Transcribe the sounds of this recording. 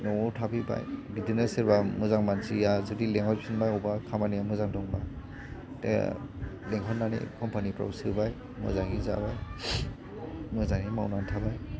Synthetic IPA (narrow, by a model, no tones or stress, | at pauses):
nɔtʰabiba̰jɡidinɯsiɾbamɯzaŋmansijazudileŋhɔtpʰsʰinbajɔwbakʰamanijamɯzaŋdɔŋba | tej̰leŋɦʰɔtnːanḭkʰɔmpanipɾɔ̰bsɯbaj | mɯ̰zaŋiza̰baj | mɯzaŋimawnantʰabaj